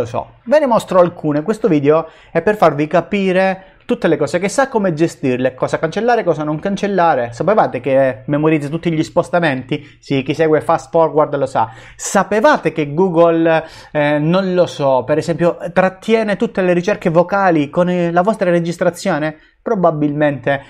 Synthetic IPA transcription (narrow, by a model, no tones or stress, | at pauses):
osɔ̰ | venemɔst̪ɾoalkʰuːnekwest̪oviːd̪eo | ɛpːerfarvikapiːɾe | t̪ut̪ːelekɔːsekesːakːomed͡ʒest̪irlekɔːsakant͡ʃelːaːɾekɔːsanoŋkant͡ʃelːaːɾesapevaːt̪ekemːemoɾid̪zat̪ut̪ːiʎispost̪ament̪i | sik̟isɛːɡwefast̪fɔrward̪losa̰ | sapevaːt̪ekeɡuːɡol | nonlosɔpeɾesɛmpjot̪ɾat̪ːjɛːnet̪ut̪ːeleɾit͡ʃɛrkevokaːlikonlavɔst̪ɾaɾed͡ʒist̪ɾat̪sːjoːne | pɾobabːilment̪e